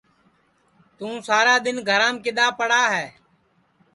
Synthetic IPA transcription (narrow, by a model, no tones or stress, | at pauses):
t̪ũːsaːɾaːd̪ɪnɡʱəɾãːmkɪɗ̪aːpəɽaːɦɛː